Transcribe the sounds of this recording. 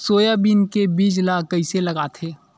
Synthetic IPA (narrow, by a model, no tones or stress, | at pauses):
soːjabiːnkebiːd͡ʒlaːkɐiselɐɡaːt̪ʰeː